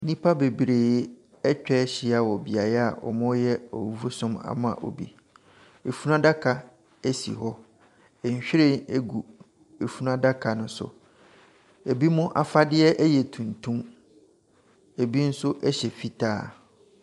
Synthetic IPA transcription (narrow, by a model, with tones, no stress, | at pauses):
nĩ˦pʰa˦be˨bɾe˨˦ | ɛ˦t͡ɕᶣɛ˦ɕɪ˨a˨wɔ˨bi˨a˨jɛ˦a˨ɔ̰˨mʊ̃˦jɛ˦ɔ˨wu˨˦fu˦sʊ̃˦ma̰˨mʊ̃˦ã̰˨ʔo̰˨bḭ˦ | e˨fu˦nã˦da˦kʰa˨ | e˦sḭ˨ɦɔ˦ | ɛ˨ɲ˨ɕᶣɪ˦ɾɪ̃˦˨ne˦ɡu˨ | e˨fu˦n˦ã˦da˦kʰa˨nʊ̃˦sʊ̰˨ | e˨bi˦mʊ̃˦ʔa̰˨fa˦dɪ˦ɛ˦ʔɛ˦jɛ˨tʰũ˨ntʰũ˦m | e˨bi˦n̩˦sʊ˦ʔɛ˦ɕɛ˨fi˦tʰaː˦˨